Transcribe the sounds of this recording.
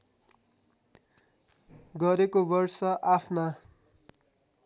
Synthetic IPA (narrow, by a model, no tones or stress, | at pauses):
ɡʌɾekobʌrsʌʔapʰna